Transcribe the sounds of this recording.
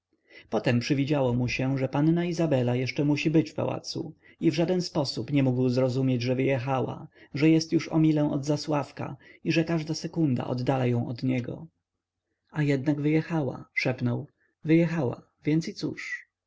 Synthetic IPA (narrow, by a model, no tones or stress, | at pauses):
pɔt̪ɛmpʂɘvʲid͡ʑawɔmuɕɛʐɛpanːaizabɛlajɛʂt͡ʂɛmuɕibɘt͡ɕfpa̰wa̰t̪sṵ | ivʐad̪ɛnspɔsupɲɛmuɡwzɾɔzumʲjed͡ʑʐɛvɘjɛxawa̰ʐɛjɛst̪juʂɔ̰mʲilɛ̃w̃ɔ̰d̪zaswafka̰iʐɛkaʐd̪asɛkund̪a̰ʔɔ̰d̪ːalajɔ̃w̃ɔd̪ɲɛɡɔ̰ | ajɛd̪naɡvɘjɛxawa̰ʂɛpnɔw | vɘjɛxawa̰ | vʲjɛnt̪sit̪sṵʂ